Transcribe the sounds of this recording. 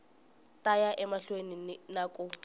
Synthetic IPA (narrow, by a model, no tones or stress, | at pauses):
tʼajaʔɛmaɬweninakʼʊ